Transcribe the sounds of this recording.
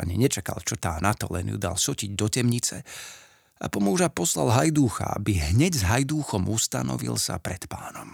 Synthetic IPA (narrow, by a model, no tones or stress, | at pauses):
a̰ɲiɲɛt͡ʃaka̰lt͡ʃɔt̪aːnat̪ɔlɛnjṵd̪alsɔciɟd̪ɔcɛmɲit͡sɛ | apɔmuʒapɔslalɦajd̪uːxa̰a̰biɦɲɛɟzɦajd̪uːxɔmust̪anɔ̰ʋḭlsa̰pɾɛt̪paːnɔm